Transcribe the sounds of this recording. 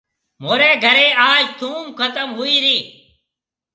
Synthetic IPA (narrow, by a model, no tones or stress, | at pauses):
moːɾeːɡʱəɾeːaːd͡ʒt̪ʰuːmkət̪əmɦʊiːɾiː